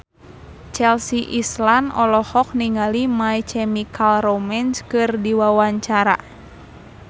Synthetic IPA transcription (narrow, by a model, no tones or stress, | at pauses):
t͡ʃɛlsiʔislanɔlɔhɔk̚niŋalimajt͡ʃɛmikʰalromɛnskɨrdiwawaɲt͡ʃaɾa̰